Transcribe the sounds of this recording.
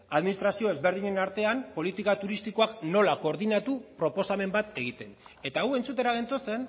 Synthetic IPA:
aðminist̪ɾasio̞ezβe̞ɾð̞iɲe̞naɾt̪e̞ampo̞lit̪ikat̪uɾist̪iko̞akno̞lako̞ːɾðinat̪upɾo̞po̞same̞mbat̪e̞ɣit̪e̞n | e̞t̪aɣwe̞nt͡sut̪e̞ɾaɣent̪o̞t͡se̞n

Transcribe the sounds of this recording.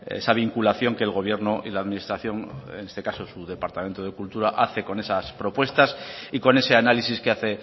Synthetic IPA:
esaβ̞iŋkulaθjo̞ŋke̞ːlɣ̞o̞β̞je̞ɾnoʔḭlaðminist̪ɾaθjo̞ŋene̞st̪ekaso̞suðe̞paɾt̪ame̞nt̪o̞ð̞ekult̪uɾaʔaθe̞ko̞ne̞saspɾo̞pwe̞st̪asiko̞ne̞se̞analisiskeaθe̞

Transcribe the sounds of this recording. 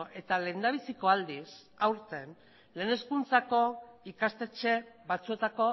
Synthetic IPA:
ʔe̞t̪ale̞nd̪aβisiko̞ald̪is | awɾt̪e̞n | le̞ːne̞skunt͡sako̞ikast̪e̞t͡ʃe̞βat͡sue̞t̪ako̞

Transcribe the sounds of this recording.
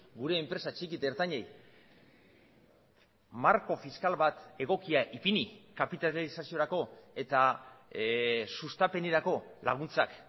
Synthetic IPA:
ɡuɾe̞ːmpɾe̞sat͡ʃikit̪eɾt̪aɲej | maɾko̞fiskalβat̪e̞ɣ̞o̞kiaʔipinikapit̪alisasio̞ɾako̞e̞t̪a | sust̪ape̞neɾako̞la̰ɣ̞unt͡sak

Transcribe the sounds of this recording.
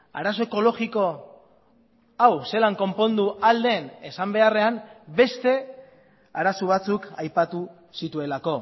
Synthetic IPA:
a̰ɾaso̞e̞ko̞lo̞ɣiko̞ | awse̞laŋko̞mpo̞nd̪uald̪e̞ne̞sambe̞are̞ambe̞st̪e̞ | aɾasuβ̞at͡sukajpat̪u | sit̪ue̞lako̞

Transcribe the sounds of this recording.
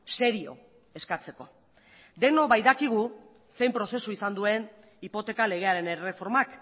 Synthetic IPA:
se̞ɾio̞̰ | e̞skat͡se̞ko̞ | d̪e̞no̞βajðakiɣ̞u | se̞jmpɾo̞se̞suisand̪ue̞n | ipo̞t̪e̞kale̞ɣ̞e̞aɾe̞nere̞fo̞ɾmak

